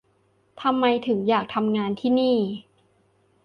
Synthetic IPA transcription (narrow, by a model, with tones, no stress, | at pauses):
t̪ʰa˧mːa˧jt̪ʰɯ˩˦ŋjaː˨˩k̚t̪ʰa˧mŋaː˧nt̪ʰiː˥˩niː˥˩